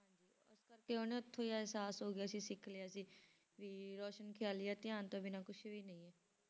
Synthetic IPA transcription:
ɦãːɲd͡ʒiː | ʊskəɾkeoːneʊt̪ʰːõːjaɦɛsaːsɦoːɡɪjaːsiːsɪkʰlejaːsiː | ʋiːɾɔːʃənkʰɪjaːlijaːt̪ɪjãːnt̪õːbɪnaːkʊt͡ʃʰʋiːnəĩːɦɛː

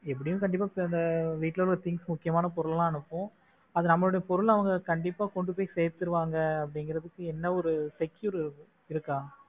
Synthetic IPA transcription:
ɛpːɐɽɪjɯ̃kɐɳɖɪpːaːpɐnd̪ɐʋiːʈːlɐllɐt̪ɪŋɡsmʊkːɪjɐmaːnɐpɔɾɯɭlãːɐnɯpːõː | ɐðɯnɐmːɐɭoːɽɐjɐpɔɾɯɭɐʋɐŋɡɐkɐɳɖɪpːaːkɔɳɖɯpoːjisɛjɾt̪ːɯɾɯʋaːŋɡɐːpːɐɽɪŋɡɪɾɐðɯkːɯɛnːɐɔɾɯsɛkjʊɾ | ɪɾɯkːãː

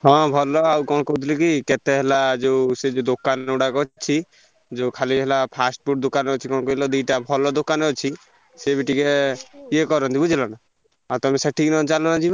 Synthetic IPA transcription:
ɦɔ̃bʱɔlɔawkɔɽ̃kot̪ʰlikikɛt̪ɛɦɛlad͡ʒesed͡ʒod̪okanuɽakɔt͡ʃʰi | d͡ʒokʰaliɦɛlapʰasʈ̚buʈ̚d̪okanɔt͡ʃʰikɔɳ̃kɔilɔd̪ujʈabʱɔlɔd̪okanɔt͡ʃʰi | sebiʈikeiekɔɾɔnt̪ibud͡ʒʱilana | at̪ɔmɛsaʈʰiknɔt͡ʃalɔnad͡ʒiba

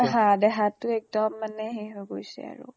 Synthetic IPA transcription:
ɦãdɛɦatʊɛk̚dɔmːanɛɦeɦoɡojsɛ̰a̰ɹʊ̰

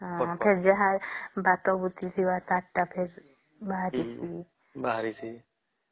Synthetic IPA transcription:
ɔ̃pʰeɾd͡ʒəɦaɾbat̪ɔbut̪isʰiwat̪aʈːapʰeɾ | baɦɾisi | baɦɾisi

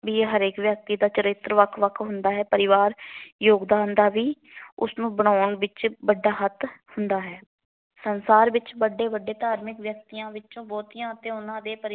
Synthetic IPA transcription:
ʋiːɦəɾeːkʋjək̚t̪iːd̪aːt͡ʃəɾɪt̪ːɾʋəkʰʋəkʰɦʊnd̪aːɦɛːpəɾɪʋaːɾjoːɡd̪ãːnd̪aːʋiː | ʊ̰snũːbəɽ̃aːɳʋɪt͡ʃbəɖːaːɦət̪ʰhʊnd̪aːɦɛː | sənsaːɾʋɪt͡ʃbəɖːeːbəɖːeːt̪aːɾmɪkʋjək̚t̪iːãːʋɪt͡ʃõːbɔːt̪iːãːət̪ẽːʊnãːd̪eːpəɾɪ

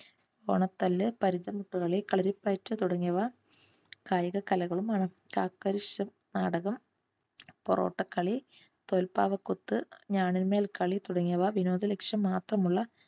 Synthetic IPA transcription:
oːɳɐt̪ːɐlːɨpɐɾid͡ʑɐmuʈːuɣɐɭikɐɭɐɾipɐjtːɐt̪uɽɐŋːijɐʋaː | kaːjɐɣɐkːɐlɐɣɐɭumaːɳɨ | kaːkːɐɾiɕɐm | naːɽɐɣɐm | poro̰ːʈːɐkːɐɭi | t̪oːlpaːʋɐkːut̪ːɨɲaːɳinmeːlkɐɭit̪uɽɐŋːijɐʋaːʋino̞ːðɐlekʂjɐmːaːt̪rɐmuɭːɐ

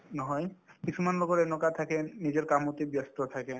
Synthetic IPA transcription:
nɔɦɔjkit͡ʃʰumanlokoɾenokat̪ʰakenid͡ʑeɾkamot̪ibjast̪ot̪ʰake

